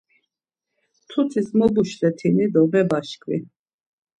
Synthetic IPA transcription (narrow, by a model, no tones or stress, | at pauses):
t̪ʰut͡s̪ʰʼismɔbuʃsɛt̪ʰinid̪ɔmɛbaʃkʰʼvḭ